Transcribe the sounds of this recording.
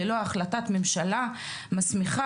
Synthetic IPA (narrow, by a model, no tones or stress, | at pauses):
elo̞aχlatat̪memʃala | masmiχa